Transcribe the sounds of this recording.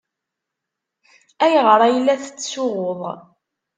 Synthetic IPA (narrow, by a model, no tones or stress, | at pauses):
æjəʁɾˤɑjəlːæθə̥t͡sːsʊʁoðˤ